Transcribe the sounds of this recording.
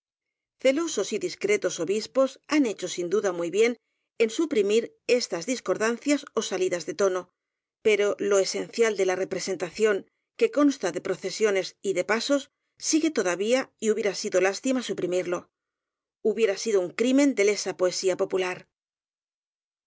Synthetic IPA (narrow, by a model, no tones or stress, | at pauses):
θe̞lo̞so̞siðiskɾe̞t̪o̞so̞βispo̞sane̞t͡ʃo̞sind̪uðamujβje̞n | e̞nsupɾimiɾ | e̞st̪azðisko̞ɾðanθjaso̞saliðazðe̞t̪o̞no̞ | pe̞ɾo̞lo̞e̞se̞n̟θjald̪e̞lare̞pɾe̞se̞nt̪aθjo̞ŋ | ke̞ko̞nst̪aðe̞pɾo̞θe̞sjo̞ne̞siðe̞paso̞sː | iɣe̞t̪o̞ðaβiaiuβjeɾasiðo̞last̪imasupɾimiɾlo̞ | uβje̞ɾasiðouŋkɾimẽ̞nd̪e̞le̞sapoe̞siapo̞pulaɾ